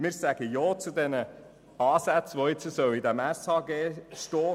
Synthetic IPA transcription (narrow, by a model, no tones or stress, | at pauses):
mɪːɾsæɡ̥əjɔːt͡sud̪ɛnə | ɑːsæt͡sʋoɪt͡səsœwid̪æmɛshɑːɡeːʃtɔː